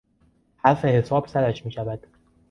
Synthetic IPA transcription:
hæɾfe̞he̞sɒːb̥sæɾæʃmiːʃævæd̪̥

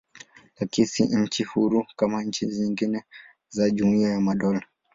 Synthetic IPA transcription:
lakisiɲ̩t͡ʃihuɾukamaɲ̩t͡ʃiziŋɡinɛ | zaʄumuiajamaɗɔla

